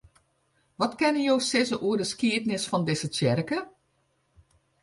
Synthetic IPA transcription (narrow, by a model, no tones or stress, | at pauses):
ʋɔtkɪnəjoːsɪzəʔuərdəskiətnɪsfɔndɪsət͡sɪrkə